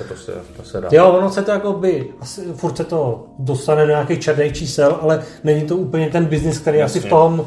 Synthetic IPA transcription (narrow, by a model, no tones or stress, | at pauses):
osɛ̰sɛjovonosɛt̪ojakobɪasɪfuɾt̪sɛt̪o̞ | do̞st̪anɛdoɲaːkejt͡ʃɛɾnejt͡ʃiːsɛlʔalɛnɛɲɪt̪o̞uːpl̩ɲɛt̪ɛnbɪznɪsk̚t̪ɛɾejʔasɪft̪oɦm